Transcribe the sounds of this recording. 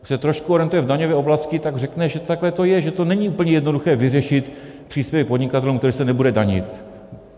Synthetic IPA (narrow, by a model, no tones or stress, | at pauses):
sɛt̪ɾoʃkuoɾiɛnt̪ujɛvdaɲovɛːʔoblascɪt̪aɡr̝ɛknɛʒɛt̪aklɛt̪o̞jɛʒɛt̪o̞nɛɲiːʔuːpl̩ɲɛjɛdno̞duxɛːvɪrɛʃɪt̪ | pr̝̥iːspjɛvɪpo̞dɲɪkat̪ɛlumkt̪ɛɾiːsɛnɛbudɛdaɲɪ̰t̪